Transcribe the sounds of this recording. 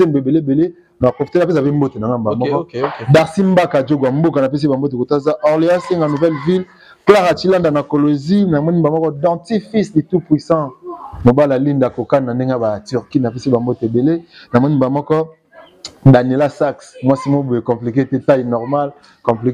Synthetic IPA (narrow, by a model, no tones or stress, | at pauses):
emboebelebele | napofiteap̬es̬apembotenaŋɡambamɔkɔdaʁsimbakad͡ʒoɡwambokanapes̬ibambot̬ekotazaʔɔʁleaseŋɡanuvɛlvil | klaʁat͡ʃilandanakolozinamɔnibamɔkɔdɑ̃tifislitupwisɑ̃mobalalindakokannandeŋɡabatyʁkinapesibambotebelenamɔnimbamɔkɔ | danelasaksmwasimoboekɔ̃plik̬etetainɔʁmal | kɔ̃plik